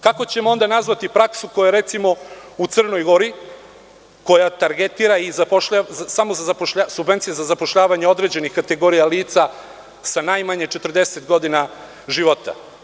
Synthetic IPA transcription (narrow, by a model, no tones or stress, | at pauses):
kako̞t͡ɕe̞moo̞nd̪anazʋat̪ipɾaksukojaeɾe̞t̪simo̞ut̪sər̩no̞jɡo̞ɾi | ko̞jat̪aɾɡet̪iːɾaizapoʃʎasamozazapoʃʎasubve̞nt̪sijezazapo̞ʃʎaːʋaɲeo̞d̪ɾe̞d͡ʑe̞nixkat̪e̞ɡo̞ɾijaliːt̪sa | sanajmaɲet͡ʃe̞t̪rd̪e̞set̪ɡo̞d̪ina | ʒiʋo̞t̪a̰